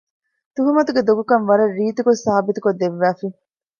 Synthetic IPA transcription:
t̪uɦɐmɐt̪uɡed̪oɡukɐnʋɐɾɐrːiːt̪ukosaːɐbit̪ukod̪ːeʋːæːfi

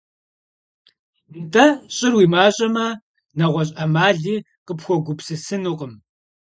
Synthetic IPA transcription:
ntʰʼɐɕʼɪrwiːmaːɕʼɐmɐ | nɐʁʷɐɕ̬ʼɐmaːɮiː | qəpxʷɔɡʷʊpsɨsɨnuːqəm

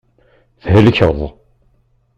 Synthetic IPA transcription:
θhəlçəðˤ

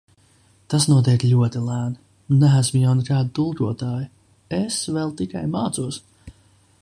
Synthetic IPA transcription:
t̪asnuɔt̪ɛjk̪ʲlʲuɔt̪ilæːn | nnːæːsmʊjawnɛkaːd̪it̪ulˠkuɔt̪aːji | ɛsvɛlˠt̪ika̰jmaːt̪suɔs

